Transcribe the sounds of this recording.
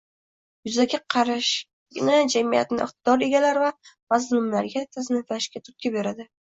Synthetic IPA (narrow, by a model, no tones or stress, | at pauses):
jʊzaɡʲaqʰɑɾaʃ | ɡʲɪnad͡ʒamija̰t̪ɪnɪɪ̰χt̪̚ɪd̪ɒɾe̞ɡʲalaɾvamazllʊmlaɾɡʲat̪ʰaznɪfaʃkʲat̪ʰʊt̪̚kʲabe̞ɾad̪ɪ